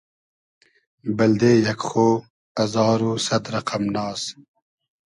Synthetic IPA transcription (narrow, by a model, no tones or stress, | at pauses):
bɐld̪eːjɐkxoː | ɐzɑːɾoːsɐt̪ɾɐqʰɐmnɑːs